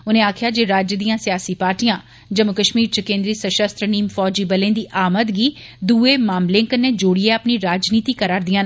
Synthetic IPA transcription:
ʊnẽːaːkʰɪjaːd͡ʒeːɾaːd͡ʒjəd̪ijãːsɪjaːsiːpaːɾʈijãː | d͡ʒəmʊkəʃmiːɾt͡ʃəkẽːnd̪ɾiːsəʃəst̪ɾəniːmfɔːd͡ʒiːbəlẽːd̪iːʔaːmət̪ɡiːd̪uːeːmaːmlẽːkəneːd͡ʒoːɽieapniːɾaːd͡ʒniːt̪iːkəɾaːɾd̪ijãːn

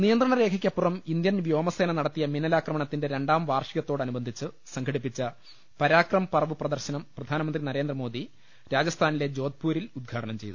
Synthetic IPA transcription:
nijɐnd̪rɐɳɐɾe̞ːkʰɐkʲːɐpːurɐmind̪jɐnʋjoːmɐse̞ːnɐnɐɽɐt̪ːijɐminɐlaːkrɐmɐɳɐt̪ːinde̞ɾe̞ɳɖaːmʋaːrʂiɣɐt̪ːo̞ːɽɐnubɐnd̪ʱit͡ɕːɨ | sɐŋkʰɐɽipːit͡ɕːɐ | pɐɾaːkrɐmɐpɐrɐʋɨprɐd̪ɐrɕɐnɐmprɐd̪ʱaːnɐmɐnd̪rinɐɾe̞ːnd̪rɐmo̞ːd̪ʱi | ɾaːd͡ʑɐst̪ʰaːnile̞d͡ʑo̞ːd̪̚puːɾilud̪̚ɡʰʱaːʈɐnɐmt͡ɕe̞jðu

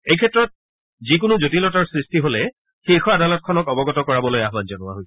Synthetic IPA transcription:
ejkʰɛtːɹɔt̚ | zik̬ʊnuzotilɔtaɹsɹistiɦolɛ | xiɹxɔadalɔt̚kʰɔnɔkɔbɔɡɔtɔkɔɹabɔlojaɦbanzɔnʊwa̰ɦoj

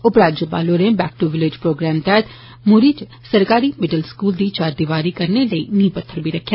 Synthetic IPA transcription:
ʊpɾaːd̪d͡ʒəba̰ːloːnẽːbɛːkʈuʋɪlɪd͡ʒpɾoːɡɾɛːmt̪ɛːt̪ | mʊɾiːt͡ʃ | səɾkaːɾiːmɪɖəlskuːld̪iːt͡ʃaːɾd̪ɪʋaːɾiːkəɾneːləḭːnĩːpət̪ʰːəɾbiːɾəkʰːjaː

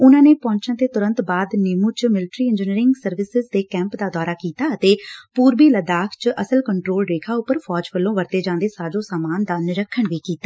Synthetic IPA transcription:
ʊnãːneːpɔ̃ːɲt͡ʃãnt̪eːt̪ʊɾə̃nt̪baːd̪nɪmuːt͡ʃmɪlɪʈɾiːɪ̃ɲd͡ʒɪniːɾɪŋɡsəɾʋɪsɪzd̪eːkɛ̃ːmpd̪aːd̪ɔːɾaːkiːt̪aːət̪eːpuːɾbiːləd̪aːkʰt͡ʃʔəsəlkəɳʈɾoːlɾeːkʰaːʊpːəɾpʰɔːd͡ʒʋəlːõːʋəɾt̪eːd͡ʒãːnd̪eːsaːd͡ʒõːsaːmaːnd̪aːnɪɾəkʰːəɳʋiːkiːt̪aː

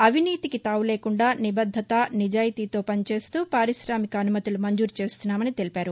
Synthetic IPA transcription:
ɐʋʱiniːt̪ikit̪aːwule̞ːkuɳɖaːnibɐd̪ʱːɐt̪ɐnid͡ʒaːjit̪iːt̪o̞ːpɐnit͡ʃe̞ːst̪uːpaːɾiʃɾaːmikɐːnumɐt̪ilumɐɲd͡ʒuːɾt͡ʃe̞ːst̪unːaːmɐnit̪e̞lipaːɾu

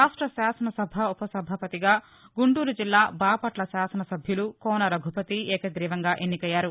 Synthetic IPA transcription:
aːʂʈɾɐʃaːsɐnɐsɐbʱɐupɐsɐbʱɐpɐt̪iɡaː | ɡuɳʈuːɾud͡ʒilːaːbaːpɐʈlɐʃaːsɐnɐsɐbʱjulukɔːnɐɾɐɡʱupɐt̪iɛːkɐɡɾiːʋɐŋɡaːʔenːikɐjːaːɾu

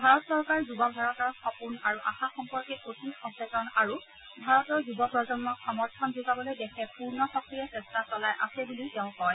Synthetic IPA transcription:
bʱaɹɔtsɔɹkaɹzubɔbʱaɹɔtɔɹxɔpunaɹuʔa̰xaxɔmpɔɹkiotʰixɔŋsɹɛtɔnaɹu | bʱaɹɔtɔɹzubɔpɹɔzɔnːɔxɔmɔɹtʰɔnzuɡabɔlojdɛkʰɛpuɹnɔxɔk̚tiɹɛsɛstasɔlajʔa̰sɛbulitɛʊ̃kɔj

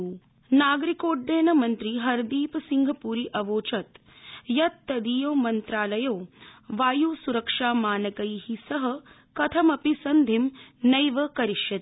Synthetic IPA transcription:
naːɡɾikoːʈ̚d̪eːnɐmɐnt̪ɾiɦɐɾd̪iːpɐsiŋɡʱɐpuːɾiʔɐʋoːt͡ʃɐt̪ | jɐt̪ːɐd̪iːjoːmɐnt̪ɾaːlɐjoːʋaːjusuɾɐkʂaːmaːnɐkɐjhisɐɦɐ | kɐt̪ʰɐmɐpisɐnd̪ʱimnɐjʋɐkɐɾiʃjɐt̪

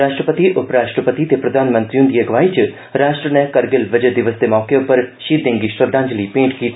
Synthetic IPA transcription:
ɾaːʃʈɾəpət̪iʔʊpɾaːʃʈɾəpət̪it̪epɾɐd̪ʱaːnmə̃nt̪ɾijũnd̪ieɡʋaːit͡ʃ | ɾaːʃʈɾənɛ̃kɐɾɡɪlʋɐd͡ʒəd̪ɪʋəsd̪emɔːkeʊpəɾʃiːd̪ẽːŋɡiʃɾəd̪ʱãːɲd͡ʒəliːpẽːɳʈkiː

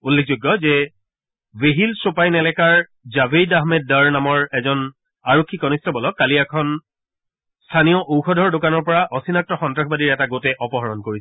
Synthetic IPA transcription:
ulːek̚ʰzuɡːɔzɛ | veɦilsopajnɛlɛkaɹ | zabedaɦmɛd̚ːaɹnamɔɹɛzɔn | aɹokʰːikɔnistʰɔbɔlɔkːaliɛkʰɔn | stʰanijɔʔowxɔdʱɔɹdokanɔɹpɔɹaʔɔsinak̚tɔxɔntɹaxʰbadiɹɛtaɡotɛʔɔpɔɦɔɹɔnkoɹiɛ

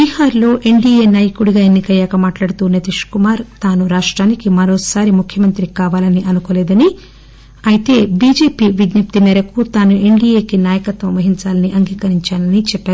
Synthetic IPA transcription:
bihaːɾlo̞ːʔe̞ɳɖiːjeːnaːjɐkuɽiuɡaːenːikɐɛːkɐmaːʈlaːɽut̪uːnet̪iʂkumaːɾt̪aːnuɾaːʂʈɾaːnikimɐɾo̞ːsaːɾimukʰjɐmɐnt̪ɾikaːʋaːlɐniʔɐnukoːlɛːd̪ɐni | ɐjit̪e̞ːbiːd͡ʒe̞ːpiːʋid̪nɐp̚t̪imɛːɾɐkut̪aːnue̞ɳɖijeːkinaːjɐkɐt̪ʋɐmʋɐɦiɲt͡ʃaːlɐniʔɐŋɡiːkɐɾiɲt͡ʃaːlɐnit͡ʃɛpːaːɾu

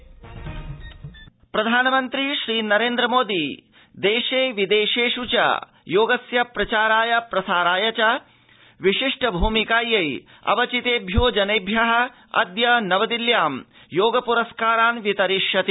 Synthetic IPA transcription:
pɾɐd̪ʱaːnɐmɐnt̪ɾiʃɾiːnɐɾeːnd̪ɾɐmoːd̪i | d̪eːʃeːʋid̪eːʃeːʃut͡ʃɐ̰ | joːɡɐsjɐpɾɐt͡ʃaːɾaːjɐpɾɐsaːɾaːjɐt͡ʃɐ | ʋiʃiʂʈʰɐbʱuːmikaːjɐj | ɐ̰ʋɐt͡ʃit̪eːbʱjoːd͡ʒɐneːbʱjɐɦɐ̆ | ɐ̰d̪jɐnɐʋɐd̪iljaːm | joːɡɐpuɾɐskaːɾaːnʋit̪ɐɾiʂjɐt̪i

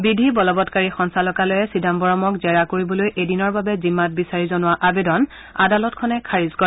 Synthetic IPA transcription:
bidʱibɔlɔbɔtkaɹixɔnsalɔkalojɛsidʱambɔɹɔmɔkzɛɹakoɹibɔlojʔedinɔɹbabɛzimːat̚bisaɹizɔnʊwaʔabedɔn | adalɔtkʰɔnɛkʰaɹizkɔ

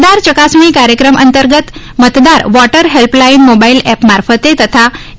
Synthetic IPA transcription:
d̪aɾt͡ɕəkasmiːkaɾjəkɾəmʔənt̪əɾɡət̪ | mət̪d̪aɾʋɔʈəɾɦelplainmobailɛpmaɾfət̪et̪ət̪ʰa

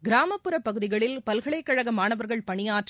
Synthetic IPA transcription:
ɡɪɾaːmɐpːɯɾɐpːɐɣɯðɪɣɐɭɪlpɐlɣɐɭɐɪkːɐɻɐɣɐmaːnɐʋɐɾɣɐɭpɐɳɪjaːʈr

